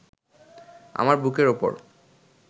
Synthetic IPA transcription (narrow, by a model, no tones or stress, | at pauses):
a̰maɾbʱukeɾopo̰ɾ